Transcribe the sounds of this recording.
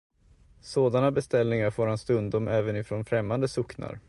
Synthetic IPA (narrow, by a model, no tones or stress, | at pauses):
soːd̪anabɛst̪ɛlnɪŋaɾfoːɾhanst̪ɵnd̪ɔmɛːvənɪfɾoːnfɾɛmːand̪əsɵkna̰ɾ